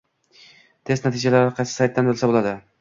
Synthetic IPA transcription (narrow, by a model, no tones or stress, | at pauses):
t̪ʰe̞st̪nat̪ʰid͡ʒalaɾɪqʰɑjsɪ̥sajt̪ːanbɵɾlʲˠsabolˠad̪ɪ